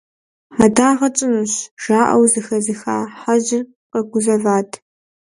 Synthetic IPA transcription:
mɐdaːʁɐt͡ʃʼɪnuɕʒ̥aːʔɐ̰wzɨxɐzɨxa̰ːħaʑɪr | qɐɡʷʊzɐvaːtʰ

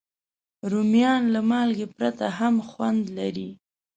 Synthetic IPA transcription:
ɾumjɑnlamɑlɡepɾat̪aɦamxwand̪laɾi

